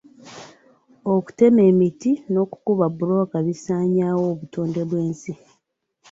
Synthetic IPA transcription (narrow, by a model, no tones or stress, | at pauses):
oku̥te̞me̞ːmitino̞ku̥kuβabuɾo̞kaβisaːɲaːwoːβutoːnde̞βwe̞ːnsi